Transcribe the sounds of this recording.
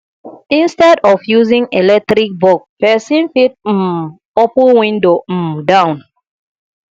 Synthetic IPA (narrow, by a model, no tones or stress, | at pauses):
ĩnstɛdɔfjuzĩŋelɛk̚tɾik̚bɔk̚pɛsĩnfit̩̚ | opũnwĩndom̩dãʊ̃n